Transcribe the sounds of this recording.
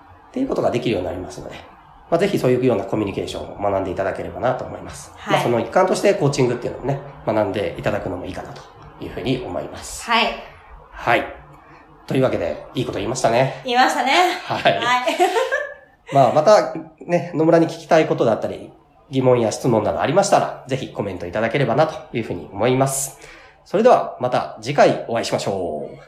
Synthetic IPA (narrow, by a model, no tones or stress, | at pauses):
t̪ːe̞jɯ̟ko̞t̪o̞ɡad̪e̞kʲiɾɯ̟jo̞ːɲʲinaɾʲimasɨno̞̰d̪e̞ | maze̞çiso̞ːjɯkjo̞ːnako̞mʲiɲ̟ike̞ːɕõ̞̰o̰manãnd̪e̞it̪ad̪ake̞ɾe̞banat̪o̞ːmo̞̰imasɨ̥maːso̞noikːãnt̪o̞ɕi̥t̪e̞ko̞ːt͡ɕĩŋɡɯt̪ːeiɯ̟nomone̞manãnd̪e̞̰ʔit̪ad̪akɯ̟no̞mo̞iːkanat̪o̥ | jɯ̟ːɸɯ̟ːɲ̟iʔo̞mo̞̰ḭmasɨ̥ | hai | t̪o̞jɯːβake̞d̪e̞̰iːko̞t̪oiːmaɕi̥t̪ane̞iːmaɕt̪anehaiai | maːmat̪ane̞no̞mɯ̟ɾaɲ̟ikʲi̥kʲi̥t̪aiko̞t̪o̞d̪e̞at̪ːaɾʲḭ | ɡʲimõ̞ɰ̃jaɕi̥t͡sɨmonːad̪o̞̰a̰ɾʲimaɕi̥t̪aɾa̰ze̞çiko̞mẽ̞nt̪o̞it̪ad̪ake̞ɾe̞banat̪o̞̥jɯ̟ːɸɯ̟ːɲ̟ḭo̞mo̞imasɨ̥ | so̞ɾed̪e̞βa̰mat̪a̰d͡ʑikaio̞aiɕimaɕo̞ː